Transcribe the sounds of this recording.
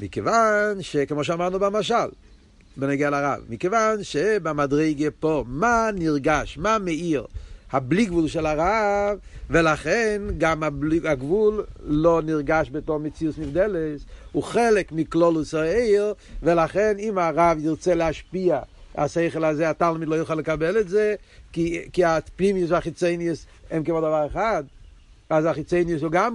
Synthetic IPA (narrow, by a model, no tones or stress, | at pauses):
mikevanʃekemoʃ̬eamaʁnubamaʃal | bɛnɛɡealaʁa̰vmikevanʃebamadʁeɪɡəpomaniʁɡaʃmamɛiʁhabliɡvulˠʃɛlaʁavvelaχɛnɡamabaɡvulloniʁɡaʃbɛtoʁmɛt͡siusnifdɛlɛsʊχɛlɪkmɪklˠɔlˠusaeɪʁ | vɛlaχɛnimaʁaviʁt͡sɛlɛaʃpiaa̰seɪχəlˠazeatalˠmɪd̪lˠojuχaləkabɛlɛtze | kikɪapnimjʊs̬aχit͡seɪniəs | ɛmkɛvɔdavaʁaχadazaχɪt͡seɪniəs̬oɡam